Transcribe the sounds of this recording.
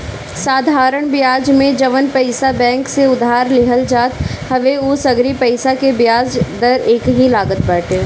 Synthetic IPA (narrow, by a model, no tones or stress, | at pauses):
saːd̪ʱaːɾəɽ̃bɪjaːd͡ʒmẽd͡ʒɐʋənpɐɪsabɛ̃ːŋkseʊd̪ʱɦaːɾlɪɦəld͡ʒaːt̪hɐʋeʊsɐɡɾipɐɪsakebjaːd͡ʒd̪əɾeːkɦilaːɡət̪̚bɛːʈeː